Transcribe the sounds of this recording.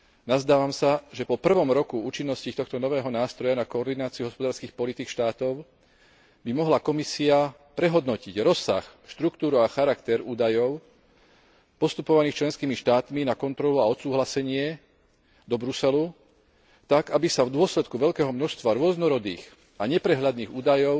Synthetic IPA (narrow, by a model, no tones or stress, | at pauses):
nazd̪aːʋamsaʒɛpɔpr̩ʋɔmɾɔkuuːt͡ʃinːɔsciːt̪ɔxt̪ɔnɔʋɛːɦɔnaːst̪ɾɔjanakɔːɾd̪inaːt͡siuɦɔspɔd̪aːɾskiːxpɔlit̪ikʃt̪aːt̪ɔʊ | bimɔɦlakɔmisia | pɾɛɦɔd̪nɔciɟɾɔsːa̰xʃt̪ɾukt̪uːɾuaxaɾakt̪ɛɾuːd̪ajɔʊ | pɔst̪upɔʋaniːxt͡ʃlɛnskiːmiʃt̪aːt̪minakɔnt̪ɾɔluaɔt̪suːɦlasɛɲɪɛ | d̪ɔbɾusɛlu | t̪aɡabisavd̪ʊɔslɛt̪kuʋɛʎkɛːɦɔmnɔʃst̪ʋaɾʊɔznɔɾɔd̪ḭːx | aɲɛpɾɛɦʎad̪niːɣuːd̪ajɔʊ